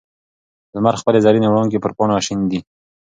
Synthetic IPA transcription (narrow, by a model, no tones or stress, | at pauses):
zmaɾxpəlezɑɾinewɽɑŋk̬epəɾpɑnoaʃind̪i